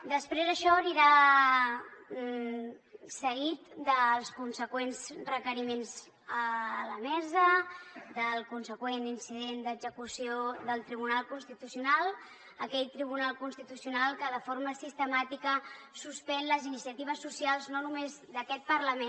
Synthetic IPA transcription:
d̪əspɾezəʃɔniɾa | səɣit̪d̪əlˠskunsəkwenzrəkəɾimenz | ələmɛzəd̪əlˠkunsəkweninsiðend̪əɡzəkusioðəlˠt̪ɾiβunalˠkunst̪it̪usiunalˠ | əkɛʎt̪ɾiβ̞unalˠkunst̪it̪usiunalˠkəðəfoɾməsist̪əmat̪ikəsuspɛnləzinisiət̪iβ̞əsusialˠznonumezd̪əkɛt̪̚pəɾləmen

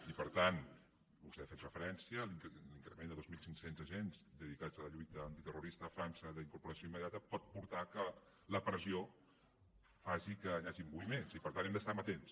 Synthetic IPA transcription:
ipəɾt̪an | bust̪ɛfet̪rəfəɾɛnsiəliŋkliŋkɾəmend̪əðozmilˠsiŋksenzəʒenzd̪əðikad͡zələʎujt̪əːnt̪it̪əruɾist̪əːfɾansəðəiŋkuɾpuɾəsioiməðiat̪əpɔt̪̚puɾt̪akə | ləpɾəzio | faʒikəːʎaʒimbuβimenzipəɾt̪anɛmd̪əst̪amət̪ens

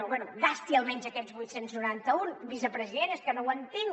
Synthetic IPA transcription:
βwɛnuɡast̪iəlˠmɛɲzəkɛt̪zβujt̪senznuɾant̪əunβizəpɾəziðenəskənowənt̪eŋ

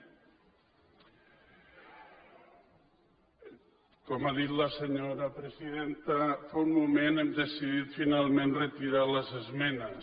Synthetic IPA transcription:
kɔmaðit̪ləsəɲoɾəpɾəziðent̪əfaunmumenemd̪əsiðit̪finalˠmenrət̪iɾaləzəzmɛnə

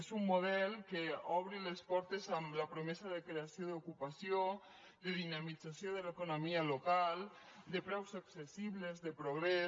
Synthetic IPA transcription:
zumːoð̞ɛlˠkeɔβ̞ɾilespɔɾt̪ezamlapɾomɛzaðekɾeasjoðukupasjo | d̪əðinamid͡zasjoðəlekonomialokalˠ | d̪əpɾɛwzaksesiβlezðəpɾoɣɾe

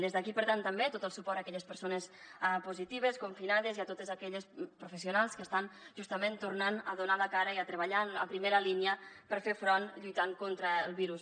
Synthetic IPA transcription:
d̪ezðəkipəɾt̪ant̪əmbet̪ot̪əlˠsupɔɾakɛʎəspəɾsonəsɛpuzit̪iβ̞əskuɱfinaðəziat̪ot̪əzakɛʎəspɾufəs̬iunalˠskəst̪anʒust̪əmẽnt̪urnanəðunaləkaɾəiət̪ɾəβəʎanə̰pɾimeɾəlinjəpəɾfefɾɔnʎujt̪aŋkont̪ɾəːlˠβiɾus

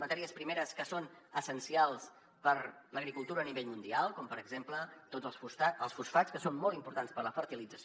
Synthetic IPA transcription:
mət̪ɛɾiəspɾimeɾəskəsonəsənsialˠs | pəɾləɣɾikulˠt̪uɾəːniβeʎmund̪ialˠkɔmpəɾəɡzemplət̪od͡zəlˠsfusaəlˠsfusfat͡skəsonmɔlˠt̪impuɾt̪anspəɾləfəɾt̪ilid͡zəs

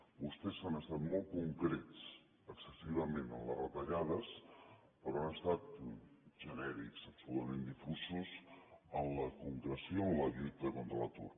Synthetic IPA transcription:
bust̪ɛzənəst̪at̪mɔlˠt̚kuŋkɾet͡s | əksəsiβ̞əmenə̰nlə̰rət̪əʎaðəs | pəɾɔanəst̪at̪̚ʒənɛɾḭksəpsulut̪əmend̪ifuzuzənləkuŋkɾəsioənləʎut̪əkont̪ɾələt̪ṵr

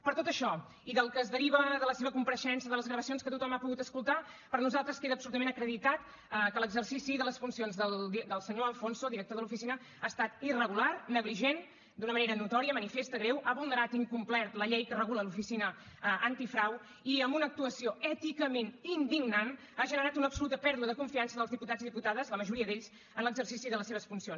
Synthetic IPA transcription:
pəɾt̪ot̪əʃɔ | iðəlˠkəːzðəɾiβəðələseβəkumpəɾəʃɛnsəðələzɣɾəβəsionskət̪ut̪ɔmapuɣut̪əskulˠt̪a | pəɾnuzalˠt̪ɾəskeðəpsulut̪əmenəkɾəðit̪at̪ | əkələɡzərsisiðələsfunsionzðəlˠd̪d̪əlˠsəɲoəlˠfonsod̪iɾək̚t̪oðəlufisinə | aːst̪at̪irəɣularnəɣliʒen | d̪unəməneɾənut̪ɔɾiəmənifest̪əɣɾewʔaβulˠnəɾat̪iŋkumplɛrt̪ləʎɛjkərəɣuləlufisinəː | nt̪ifɾaw | iəmbunək̚t̪uəsioɛt̪ikəmenind̪iɡnan | aʒənəɾat̪unəpsulut̪əpɛɾðuəðəkuɱfiansəðəlzðiput̪aziðiput̪aðəzləməʒuɾiəðeʎz̥ | ənləɡzərsisiðələseβ̞əsfunsions

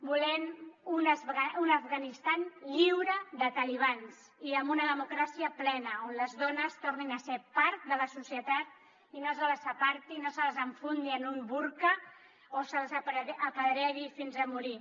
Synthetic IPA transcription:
bulɛnunaunavɣanist̪anʎiwɾəðət̪əliβ̞ans | iəmbunəðəmukɾasiəplɛnəonləzðɔnəst̪orninəsepaɾt̪̚d̪ələsusiət̪at̪̚ | inosələsəpaɾt̪inosələzəɱfund̪iənumbuɾkə | osəlzəpːpəðɾɛɣifinzəmuɾi

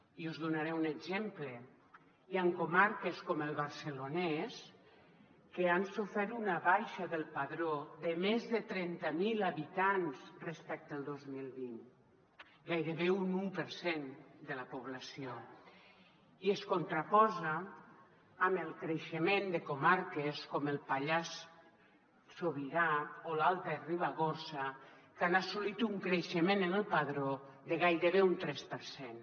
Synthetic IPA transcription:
iuzðunaɾɛuneɡzemplə | iaŋkomaɾkeskɔməlˠβaɾsəlonɛs | keansufɛɾunaβajʃaðəlˠpaðɾoðəmezðət̪ɾɛnt̪amilaβit̪anzrespɛk̚t̪əlˠd̪ozmilˠβin | ɡajɾeβeunumpəɾsend̪elapoβlasio | ieskont̪ɾapɔzaː | melˠkɾeʃemend̪ekomaɾkeskomelˠpaʎas | soβiðaolalˠt̪aeriβ̞aɣoɾsakanasulit̪uŋkɾeʃemẽnenelˠpaðɾo | ðeɣajɾeβeunt̪ɾɛspəɾsen

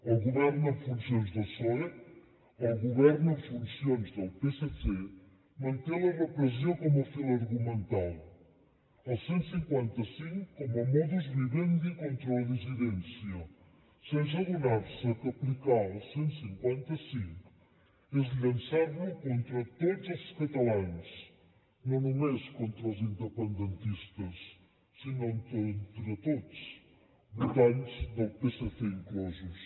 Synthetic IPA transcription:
ɐwɣuβɛɾnuɐðfũnsjõnʒðɐsoɐ | ɐwɣuβɛɾnɐðfũnsiõnʒðɐwpesese | mɐ̃nt̪elɐrɐpɾɐziɐkomɐfilˠɐɾɣumẽnt̪alˠ | ɐsẽnt̪u̥sĩŋkwɛ̃nt̪ɐsĩŋkukomɐmɔðuʒβiβẽnd̪ikõnt̪ɾɐɐðiziðẽnsjɐ | seʒɐɣunaɾsɐkɐplikalˠsẽñsĩŋkwẽnt̪ɐsĩŋkʊ̥ | ezʎɐ̃nsaɾʊkõnt̪ɾɐt̪oðuzɐzuʃkɐt̪ɐlˠãns | nɐ̃w̃nɐmeʃkõnt̪ɾɐuzĩnd̪epẽnd̪ẽnt̪iʃt̪ɐsː | inɐ̃t̪ont̪ɾɐt̪oðus | but̪ãɲuzðɐpesɐfeŋkozuʃ

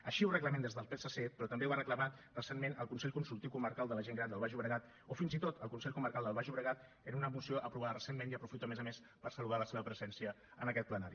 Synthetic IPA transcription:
əʃiurəkləmɛnd̪ezðəlˠpesəset̪pɾɔt̪əmbewβarəkləmarəsenmenə̰lˠkunsɛʎkunsulˠt̪iwkuməɾkalˠd̪ələʒeŋɡɾand̪əlˠβaʒuβɾəɣat̪ | ofinzit̪ot̪əlˠkunsɛʎkuməɾkalˠd̪əlβaʒuβɾəɣ̞at̪̚ | ənunəmusioʔəpɾuβaðərəsemmenjəpɾufit̪oəmɛzəmes | pərsəluðaləseβəpɾəzɛnsiə | ənəkɛt̪̚plənaɾi

